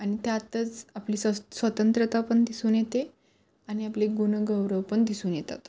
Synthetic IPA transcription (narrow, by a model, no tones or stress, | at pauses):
añit̪jat̪ət͡sapliːsəsʋət̪ənt̪ɾət̪apəɳd̪isuːnjet̪e | añiapleɡunəɡəwɾəʋpəɳd̪isuːnjet̪a̰t̪